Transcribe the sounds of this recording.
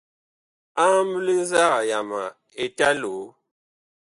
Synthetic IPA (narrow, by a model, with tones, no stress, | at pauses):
a˦m˦bʉ˦li˦za˦ɣa˨ja˨ma˨ | e˨ta˦lo˨˦